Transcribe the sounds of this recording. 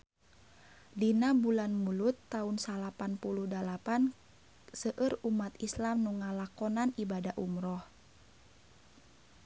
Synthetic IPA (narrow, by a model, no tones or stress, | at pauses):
dinabulanmulut̪ːaunsalapanpuluhdalapan | səʔərumat̪islamnuŋalakɔnanibadaʔumɾɔh